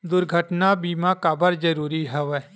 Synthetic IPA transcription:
d̪ʊɾɡʱəʈnabiːmãkaːbəɾd͡ʒəɾuːɾiɦɛʋɛ

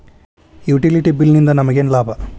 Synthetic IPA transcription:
juːʈiliʈibilnind̪ɐnɐmɐɡenlaːbʱɐ

